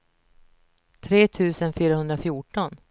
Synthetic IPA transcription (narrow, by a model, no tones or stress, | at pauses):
t̪ʰɾeːt̪ʰʉ̟ːsənfyːɾahɵnd̪ɾafjuːʈɔn